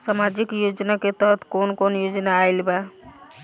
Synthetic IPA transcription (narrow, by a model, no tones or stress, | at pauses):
samad͡ʒɪkjoːd͡ʒnaket̪əɦət̪ʰkonkoːnjod͡ʒnaːɪlba